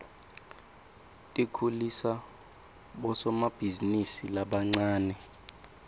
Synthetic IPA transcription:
tʼikʰulisa | ɓɔsɔmab̥ʱizinisilaɓaŋ͡ǀaːnɛ

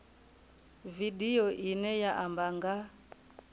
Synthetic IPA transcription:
vidiɔʔinɛjaʔambaŋɡa

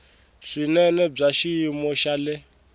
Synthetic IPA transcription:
ʂinɛnɛb͡ʐaʃimɔʃalɛ

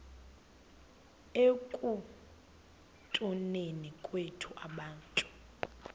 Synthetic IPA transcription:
ekʼu | tʼunenikʼwetʰuʔaɓaːntʼu

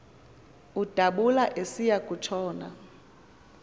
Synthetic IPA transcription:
ud̥ʱaɓulaʔesijakʼut͡ʃʰɔːna

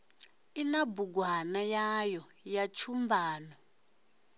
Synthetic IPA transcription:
inabuɡwanajajɔ | jat͡ʃʰumbaːnɔ

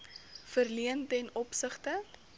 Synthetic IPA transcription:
fərliəntɛnɔpsəχtə

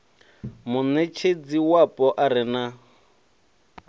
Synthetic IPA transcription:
mʊnet͡ʃʰed͡ziwapʼɔʔaɾɪna

